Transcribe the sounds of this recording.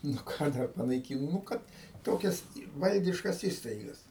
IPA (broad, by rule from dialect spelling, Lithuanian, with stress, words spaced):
nʊ ˈkɑː dɐr pɐnɐɪˈkʲiːnoː nʊ ˈkɐt ˈtoːkʲɛs ˈʋɐlʲdʲɪʃkɐs ˈiːstɐɪɡɐs